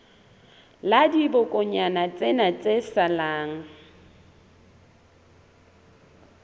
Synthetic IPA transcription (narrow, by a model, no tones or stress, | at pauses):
ladibʊkʼʊɲanat͡sʼenat͡sʼesalaːŋ̩